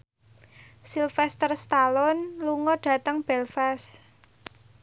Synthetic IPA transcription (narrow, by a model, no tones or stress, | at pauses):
silfɛst̪ərst̪alɔnluŋɔɖ̥ä̤t̪əŋb̥ɛlfɛs